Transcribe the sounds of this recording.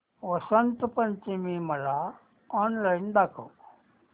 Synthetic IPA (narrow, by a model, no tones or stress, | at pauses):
ʋɐsɐnt̪pɐɲt͡ʃimimɐla | ɔːnlajnd̪ako̰